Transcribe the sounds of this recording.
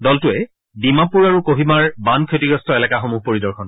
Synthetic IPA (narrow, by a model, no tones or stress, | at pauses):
dɔltʊɛ | bimapuɹaɹukoɦimaɹbankʰetiɡɹɔstɔelɛkaxomuɦpoɹidɔɹxʰɔn